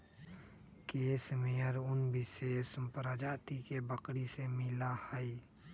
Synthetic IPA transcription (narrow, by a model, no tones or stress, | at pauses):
keːsmeəɾʊnbɪʃeːspɾəd͡ʒaːt̪ikebəkɽisemɪlahəi